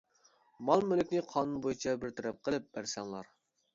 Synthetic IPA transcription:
mɑlˠmølɪkʲnɪqʰɑːnunbojut͡ʃʰɛbɪɾt̪ʰɛɾɛp̚qʰəlˠɨp̚b̥æɾsɛŋlˠɑ̰ɾ

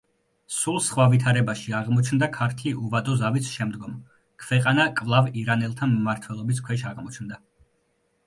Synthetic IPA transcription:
sulˠsχwavit̪ʰaɾɛbaʃiaʁmɔt͡ʃʰnd̪akʰaɾt̪ʰiuvad̪ɔzavisʃɛmd̪ɡɔm | kʰvɛqʼanakʼvlˠaviɾanɛlˠt̪ʰanmːaɾt̪ʰwɛlˠɔbis̬kʰwɛʃaʁmɔt͡ʃʰnd̪a

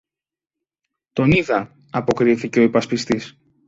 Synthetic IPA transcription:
t̪o̞niðɐ | ɐpo̞kɾiθice̞o̞ipɐspist̪is

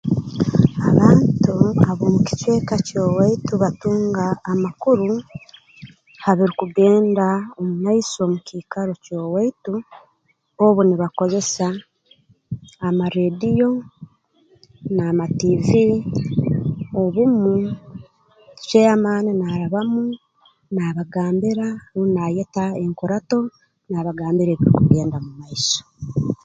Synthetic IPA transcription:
aβaːntuaβomuci̥t͡ʃe̞ːkacoːwaituβatuːŋɡaːmakuɾu | haβiɾikuɡe̞ːndaomunaiso̞mukiːkaɾo̞coːwaitu | oβuniβako̞ze̞sa | maɾeːdijo̞ | naːmativi | o̞βumu | ʃeamaːninaːɾaβamu | naβaɡaːmbiɾaunajetaeŋkoɾato̞ | naβaɡaːmbiɾeːβiɾikuɡe̞ːndamumaiso̥

